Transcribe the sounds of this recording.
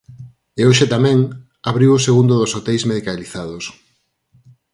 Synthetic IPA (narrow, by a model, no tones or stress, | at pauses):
eoʃet̪amɛ̃ŋ | aβɾiwoseɣund̪ʊðosot̪ɛjzmeðikaliθaðos